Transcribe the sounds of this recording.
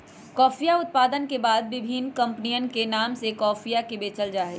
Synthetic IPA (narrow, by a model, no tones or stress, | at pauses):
kɔːfijaʊt̪̚paːd̪ənkebaːd̪̚ʋɪbʱiːnkɐ̃mpnijənkenaːmsekɔːfʰijakebeːt͡ʃəld͡ʒaːe